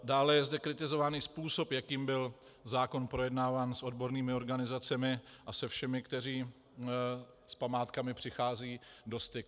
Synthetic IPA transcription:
daːlɛjɛzdɛkɾɪt̪ɪzo̞vaniːspuːso̞pjakiːmbɪl | zaːko̞npɾo̞jɛdnaːvaːnso̞dbo̞ɾniːmɪo̞ɾɡanɪzat͡sɛmɪʔasɛfʃɛmɪkt̪ɛriː | spamaːt̪kamɪpr̝̥ɪxaːziːdo̞st̪ɪk

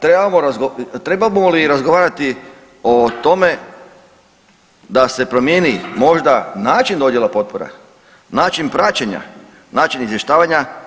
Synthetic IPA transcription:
t̪ɾebaamoɾazɡot̪ɾebalibomoliɾazɡoʋaːɾat̪i | ot̪o̞me̞ | d̪ase̞pɾo̞mjeːnimo̞ʒd̪anaːt͡ʃind̪o̞dje̞lˠapo̞t̪̚poɾa̰ | naːt͡ʃinpɾat͡ɕeɲa̰ | naːt͡ʃinizjeʃt̪aːʋaɲa

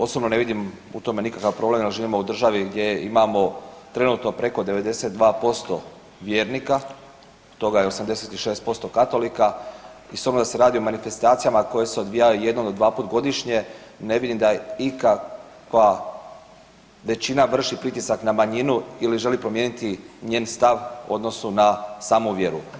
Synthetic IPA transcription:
o̞sobno̞ne̞ʋid̪im | ut̪o̞me̞nikakaʋpɾo̞ble̞mjelʒiːʋimo̞ud̪r̩ʒaʋiɡd̪je̞jeʔimamo̞t̪ɾe̞nuːt̪no̞pɾe̞ko̞d̪e̞ʋe̞d̪e̞set̪̚d̪ʋaːpo̞st̪o̞ | ʋje̞ːɾnika | t̪ːo̞ɡajeo̞samd̪e̞se̞t̪iʃeːst̪̚po̞st̪o̞kat̪o̞likaisobɾmod̪ase̞ɾaːd̪io̞manife̞st̪aːt̪sijamako̞je̞se̞o̞d̪ʋijajuje̞d̪nomod̪ʋaːpuːt̪ɡo̞d̪iʃɲe̞ne̞ʋid̪imd̪aikakʋa | ʋe̞t͡ɕinaʋr̩ʃipɾit̪isaknamaɲinuiliʒe̞lipɾo̞mjeːnit̪iɲe̞ːnst̪aʋo̞̰d̪no̞sunasaːmuʋje̞ɾṵ

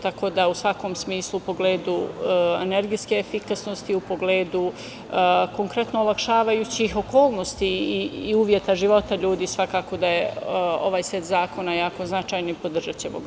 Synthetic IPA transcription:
t̪ako̞d̪ausʋako̞ːmsmiːslˠupo̞ɡleːd̪uḛne̞ɾɡijske̞ːfikasnost̪iupo̞ɡleːd̪u | ko̞ŋkɾe̞t̪noolakʃaːʋajut͡ɕixo̞koːlˠno̞st̪iiːuːʋje̞t̪aʒiʋo̞t̪aʎuːd̪iːsʋakaːko̞d̪ajeo̞̰ʋaːjset̪zaːko̞najaːko̞znat͡ʃaːjnoipo̞d̪r̩ʒat͡ɕeboɡ

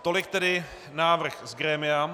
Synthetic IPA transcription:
t̪olɪk̚t̪ɛdɪ | naːvr̩xzɡɾɛːmɪam

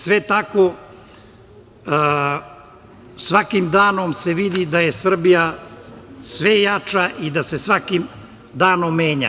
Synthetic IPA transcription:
sʋet̪ako | sʋakimd̪aːnomse̞ʋid̪id̪ajesr̩bija | sʋe̞jat͡ʂaʔid̪ase̞sʋakim | d̪aːnomːeːɲa̰

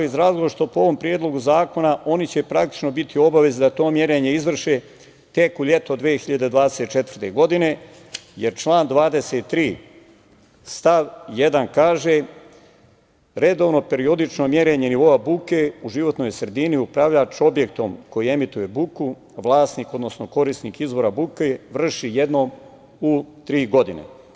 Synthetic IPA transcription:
izɾaːzɡoʋoɾʃt̪o̞poo̞ʋo̞mpɾjeːd̪lˠo̞ɡuzaːko̞naʔo̞nit͡ɕe̞pɾakt̪i̥t͡ʃno̞bit̪ʰio̞baʋe̞zd̪at̪o̞ːmje̞ɾeɲeizʋr̩ʃeː | t̪e̞kuʎe̞t̪od̪ʋeːxiʎad̪ed̪vʋaːd̪eset̪̚t͡ʃet̪ʋər̩t̪e̞ɡo̞d̪ine̞ | jeɾt͡ʃlˠaːnd̪ʋaːd̪e̞seːt̪ːɾiː | st̪aʋje̞d̪ankaːʒe̞ | ɾe̞d̪o̞ːʋno̞pe̞ɾio̞d̪it͡ʃno̞mjeɾeɲe̞niʋo̞abukeuʒiʋo̞t̪no̞jsɾe̞d̪iniupɾaʋʎat͡ʃo̞bje̞k̚t̪o̞mko̞jie̞mit̪uje̞buku | ʋlˠaːsniko̞d̪no̞sno̞ko̞ɾist̪niːkizʋo̞ɾabukeʋr̩ʃije̞d̪no̞m | ut̪ɾiːɡo̞d̪inḛ

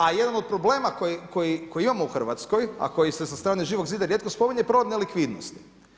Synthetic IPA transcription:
ajed̪anod̪̚pɾo̞ble̞ːmakojiko̞jikojiimamo̞uxr̩ʋat̪sko̞ja̰ko̞jisesast̪ɾaːneʒiːʋo̞ɡziːd̪aɾjet̪̚ko̞spo̞miɲepɾo̞ʋod̪nelikʋid̪nost̪i̥

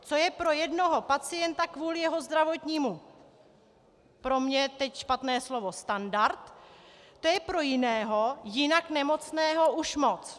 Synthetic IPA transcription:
t͡so̞jɛpɾo̞jɛdno̞ɦo̞pat͡sɪjɛnt̪akvuːlɪjɛɦo̞zd̪ɾavo̞t̪ɲiːmu | pɾo̞mɲɛt̪ɛcʃpat̪nɛːslo̞vo̞st̪andaɾt̪ː | ojɛpɾo̞jɪnɛːɦojɪnaknɛmo̞t͡snɛːɦo̞ʔuʃmo̞t͡s

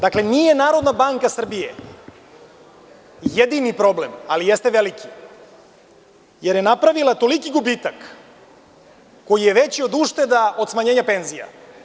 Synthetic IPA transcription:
d̪aklenijenaːɾo̞d̪nabaŋkasr̩bijḛ | jed̪inipɾo̞blemalijest̪eʋelikʰi | jeɾjenapɾaʋilˠat̪o̞likiɡubit̪ak | ojijeʋet͡ɕio̞d̪uʃt̪e̞d̪ao̞d̪smaɲeːɲapenzija̰

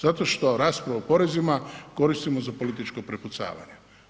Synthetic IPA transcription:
zat̪o̞ʃt̪o̞ɾaːspɾaʋaopo̞ɾe̞zimako̞ɾist̪imo̞zapo̞lit̪it͡ʃko̞pɾeput̪sa̰ːʋa̰ɲe

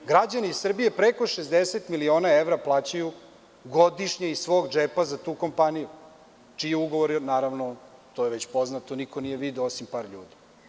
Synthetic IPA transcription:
ɡɾad͡ʑaniːssr̩bije̞pɾeko̞ʃezd̪eset̪milio̞ːnaeʋɾaplˠaːt͡ɕaju | ɡod̪iʃɲeisʋo̞ːɡd͡ʒeːpazat̪uːko̞mpaniju | t͡ʃijeuɡoʋoɾnaːɾaʋnot̪o̞ːjeʋet͡ɕpo̞znat̪onikonije̞ʋid̪eosimpaːɾʎṵːd̪i̥

